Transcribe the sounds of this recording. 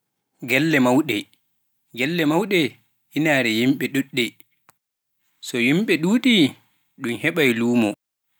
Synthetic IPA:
ɡɛlːɛmawɗɛ | ɡɛlːɛmawɗɛ | inaɾɛjimɓɛɗuɗːɛ | sɔjimɓɛɗuːɗi | ɗumhɛɓajluːmɔ

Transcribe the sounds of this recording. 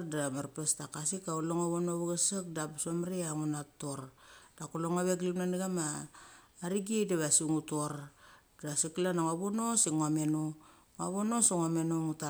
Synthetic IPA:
damaɾpestakasikauloŋaβonoβaɡasak̚dabsomɾiaŋunatːoɾd̥akuloŋaβeɡlinanɡamaː | ɾiɡedaβasiŋutoɾ | dasiklanaŋaβuno̞siŋoamenu | ŋaβonosiŋamenuŋuta

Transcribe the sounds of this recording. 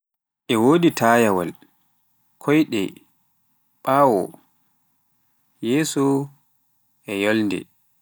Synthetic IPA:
ʔɛwoːditʰaːjawa̰l | kʰɔjɗɛ̰ | ɓawɔ̰ | jeːsu | ʔɛjɔlndɛ̰

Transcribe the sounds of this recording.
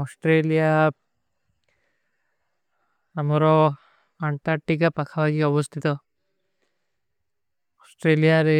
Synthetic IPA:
ɔsʈɾelija | amɔɾɔ | aɳʈaɾʈikapakʰabaɡiɔbɔst̪ʰit̪ɔ | ɔsʈɾelijaɾe

